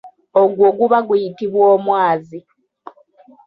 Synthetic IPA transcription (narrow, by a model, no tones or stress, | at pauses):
oɡwo̞ːɡuβaɡujitiβwoːmwaːzi